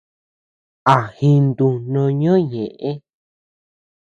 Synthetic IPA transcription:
a˨hi˧nd̪u˧nõ˧ɲõ˦ɲẽ˨ʔẽ˦

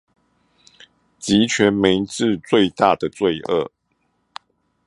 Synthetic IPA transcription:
t͡ɕi˨˦t͡ɕʰɥɛ˨˦nmi˧˦t͡sɻ̩˥˧t͡swe˥˧ɪt̪a˥˨d̪ə˨t͡swe˥˨ɪʔə̰˥˩

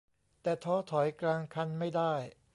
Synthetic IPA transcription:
t̪ɛː˨˩t̪ʰɔː˧˥t̪ʰɔ˩˦jklaː˧ŋkʰa˧nma˥˩jdaː˥˩j

